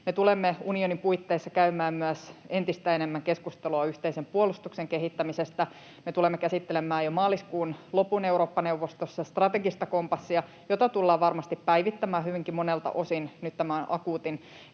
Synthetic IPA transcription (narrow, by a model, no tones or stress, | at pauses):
met̪ulemːeunionimpuit̪ːeːsːɑkæymæːmmyæsent̪ist̪æenemːæŋkeskust̪eluɑyht̪eisempuolust̪ukseŋkeɦit̪ːæmisest̪æ | met̪ulemːekæsit̪ːelemːˑæːjomɑːliskuːnlopuneuɾoːpːɑneuʋost̪osːɑst̪rɑt̪eɡist̪ɑko̞mpɑsːiɑ | jot̪ɑt̪ulːɑːʋɑrmɑst̪ippæiʋit̪ːæmæːhyʋiŋkimonelt̪ɑ̰ʔo̞sinnyt̪t̪æmænʔɑkuːt̪in